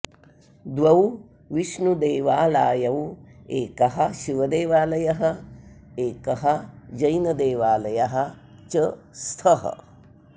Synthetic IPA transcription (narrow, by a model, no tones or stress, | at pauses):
d̪ʋɐw | ʋiʃɳud̪eːʋaːlaːjɐweːkɐɦɐ̆ʃiʋɐd̪eːʋaːlɐjɐɦɐ̆ | eːkɐɦɐd͡ʒɐjnɐd̪eːʋaːlɐjɐɦɐ̆ | t͡ʃɐ | st̪ʰɐɦɐ̰